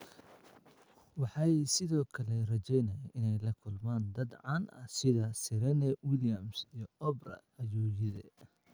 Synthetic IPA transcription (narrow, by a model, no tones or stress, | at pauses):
wɑħɑjsɪðɔːkʰɐlɛrɐt͡ʃɛjnɐjaʔɪnɛjlɐkʰʊlmaːnd̪ɐd̪ʕɑːnʔɐ̰sɪðɐsɪɾɛnɛwɪljɐmsijɔɔbrɐ̰ | ɐjuːjɪðɛ